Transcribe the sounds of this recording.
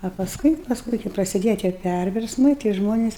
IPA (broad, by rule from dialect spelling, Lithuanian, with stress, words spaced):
ɐ pɐsˈkʊɪ pɐsˈkʊɪ kɐɪ prɐsʲɪˈdʲeːjɛ tʲiɛ ˈpʲærʲʋʲɛrsmɐɪ tɐɪ ˈʒmoːnʲɛs